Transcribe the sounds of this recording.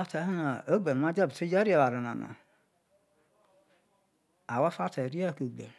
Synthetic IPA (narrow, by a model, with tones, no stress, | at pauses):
a˦tʰa˨˦hnã˨o˦ɡ͡ba˨n˨mã˦d͡ʒɛ˦˨bɪ˨tʰɪ˦d͡ʒa˦ɾi˦ɛ˨wa˨ɾa˨nã̰˨nã̰˨ | a˨wa˦fa˦tʰa˨ɾi˦a˦˨kə˨ɡ͡bɛ˨